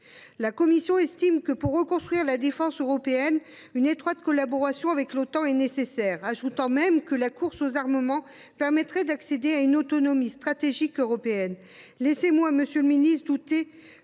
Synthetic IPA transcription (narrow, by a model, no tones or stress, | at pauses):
lakɔmisjɔ̃ɛst̪imkəpuʁːəkɔ̃st̪χwɥiʁlad̪efɑ̃søʁɔpeɛn | ynet̪χwat̪kɔlabɔʁasjɔ̃avɛklot̪ɑ̃ɛnesesɛʁaʒut̪ɑ̃mɛmkəlakuʁsozaʁməmɑ̃ | pɛʁmɛt̪χɛd̪aksed̪eaynot̪ɔnɔmist̪χat̪eʒikøʁɔpeɛn | lɛsemwaməsjølminist̪d̪ut̪e